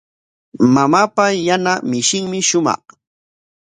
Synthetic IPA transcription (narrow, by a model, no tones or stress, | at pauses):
mamaːpajanamɪʃɪŋmɪʃʊmɑ̰χ